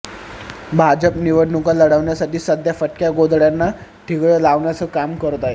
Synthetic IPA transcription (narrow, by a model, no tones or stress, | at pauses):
bʱad͡ʑəpniʋəɽnukaləɽəʋɳjasaʈiːsəd̪ʱjafəʈkjaɡod̪ʱɭjanːaʈʰiɡɭjəlaʋɳjat͡səːkamkəɾt̪ae